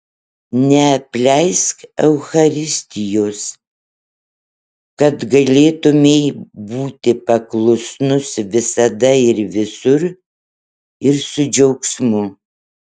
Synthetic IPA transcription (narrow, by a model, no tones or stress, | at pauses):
nʲɛɐpʲlʲɛɪskɛʊxɐɾʲɪsʲt̪ʲɪjoːs | kɐt̪ɡɐlʲeːt̪ʊmʲeɪbuːt̪ʲɪpɐklˠʊsnʊsʋʲɪsɐd̪ɐɪɾʋʲɪsʊɾ | ɪɾsʊd͡ʒʲɛʊksmʊ